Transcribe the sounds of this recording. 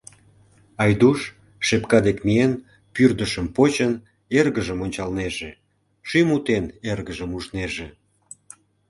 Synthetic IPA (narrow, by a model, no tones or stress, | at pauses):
ɑjd̪uʃ | ʃepkɑd̪ekmien | pyrd̪əʃəmpot͡ɕən | erɣəʒəmonʲt͡ɕɑlneʒe | ʃymut̪enerɣəʒəmuʒneʒe